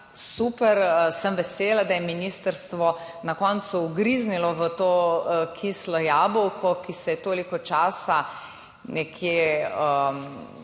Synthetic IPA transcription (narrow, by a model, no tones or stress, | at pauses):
supɛɾsəmʋɛseːlad̪ajɛminiːst̪əɾst̪ʋɔ | nakɔnt̪suuɡɾiznilɔʋət̪okʰislɔjaːbɔwkɔkisɛjɛt̪oːlikɔt͡ʃaːsa | nɛkʰjeə